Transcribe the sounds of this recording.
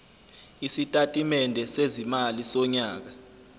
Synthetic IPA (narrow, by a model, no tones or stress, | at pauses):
isitʼatʼimɛndʱɛsezimalisɔɲaːk̬a